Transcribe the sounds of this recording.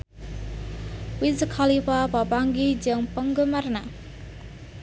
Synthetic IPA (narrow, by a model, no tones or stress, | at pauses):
wizkʰalipapapaŋɡid͡ʒɨŋpəŋɡumarna